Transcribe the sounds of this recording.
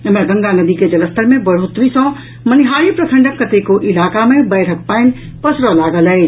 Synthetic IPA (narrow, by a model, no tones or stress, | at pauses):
eməɾɡə̃ŋɡanəd̪iked͡ʒɐləst̪əɾmẽbəɽ̤oːt̪ɾisɔ̃ | məniɦaːɾipɾəsʰə̃ɳɖəkːət̪ekoʔɪlaːkamẽbəːʈʰək̚pəɪn | pəsɾɔlaːɡələː